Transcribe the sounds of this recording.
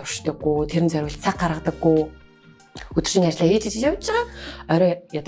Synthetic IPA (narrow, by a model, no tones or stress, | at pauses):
ʊrʃt̪ə̆ɡːut̪ʰeɾɘ̆nt͡sœɾʲwə̆ɬt͡sʰakɢaɾə̆t̪ə̆ɡːu | ɵt̪ɵ̆rʃĭŋat͡ɕɮaːeːt͡ɕĭt͡ɕɪ̆t͡ɕjawt͡ɕːɪ̆ʁaːɔɾɔjat̪